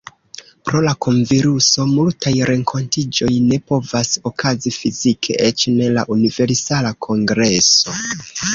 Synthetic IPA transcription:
pɾo̞lako̞ɱviɾuso̞multajɾe̞ŋkʰo̞ntid͡ʒo̞jne̞po̞vaso̞kʰazifizikʰe̞̰ʔet͡ʃne̞la̰ʔunive̞ɾsalakʰo̞ŋɡɾe̞so̞

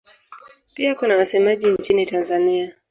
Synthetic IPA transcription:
piakunawasɛmaʄiɲt͡ʃinitanzania

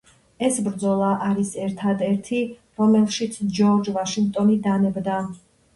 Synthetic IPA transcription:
ɛsbɾd̪zɔlˠaʔaɾisɛɾt̪ʰad̪ɛɾt̪ʰi | ɾɔmɛlˠʃit̪sʰd͡ʒɔɾd͡ʒvaʃiŋɡ̚t̪ʼɔnid̪anɛbd̪a

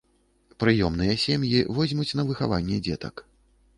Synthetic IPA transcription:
pɾɨjɔmnɨjɐsʲɛmjivɔzʲmut͡sʲn̪ɐvɨxa̰vanʲːɛd͡zʲɛt̪ɐ̰k

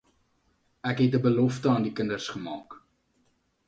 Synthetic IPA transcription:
ækɦɛt̚dəbəlɔftəɑːndikəndərsχəmɑːk

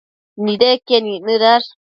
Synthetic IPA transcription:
nid̪ekeninɨd̪aɾ

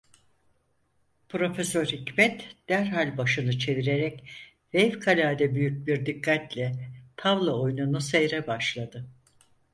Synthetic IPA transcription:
pʰɾo̞fesøɾhicmɛt̪d̪̥æɾɦalʲbaʃɯnɯt͡ʃʰe̞viɾe̞ɾɛc | vɛvkʰalʲaːd̪ɛbyjyc̚biɾd̪ikʰːat̪lʲɛt̪ʰavlˠaojnunusejɾɛbaʃlˠad̪ɯ

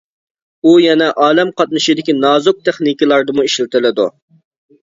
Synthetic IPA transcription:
ujɛnɛʔɑːlɛmqɑt̪̚nɨʃid̪ɪkʲinɑːzʊk̚t̪ʰeχnikʲilˠɑɾd̪ɨmuiʃlɪt̪ɪlɪd̪ṵ

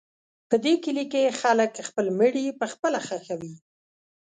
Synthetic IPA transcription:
pəd̪ekəlikexaləkxpəlməɽipəxpəlaxaxawi

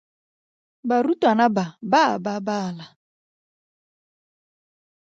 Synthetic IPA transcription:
baɾutanababaa̰babala

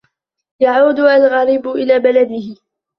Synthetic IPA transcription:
jaʕuːd̪ʊʔalɣɑɾɪbʊʔɪlaːbalad̪ɪhɪ

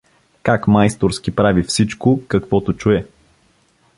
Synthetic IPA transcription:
kakmajst̪oɾskʲipɾavifsit͡ʃkokɐkvɔt̪ot͡ʃuɛ

